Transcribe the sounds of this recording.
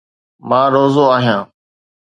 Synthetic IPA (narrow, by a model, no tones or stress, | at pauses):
mãːɾoːzoːaːɦijãː